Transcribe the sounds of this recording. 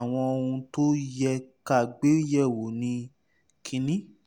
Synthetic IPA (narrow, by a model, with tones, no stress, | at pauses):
w̃ɔ̃˧o˧ũ˧to˦jɛ˧ka˦˨ɡ͡be˦jɛ˦˨wo˨nĩ˧ | kʰĩ˧nĩ˦